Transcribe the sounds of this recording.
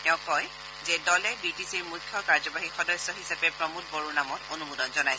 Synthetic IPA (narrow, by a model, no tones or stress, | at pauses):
tɛʊ̃kɔj | zɛdɔlɛbitisiɹmukʰːjɔkaɹzɔbaɦixɔdɔsɔɦisapɛpɹɔmut̚boɹuɹnamɔtonumudɔnzɔnajsɛ